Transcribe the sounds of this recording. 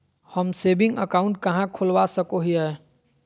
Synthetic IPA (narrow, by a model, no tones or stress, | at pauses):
həmsebɪ̃ŋɡə̰kaʊ̃ɳʈkəɦãkʰolʋasəkoɦiɛ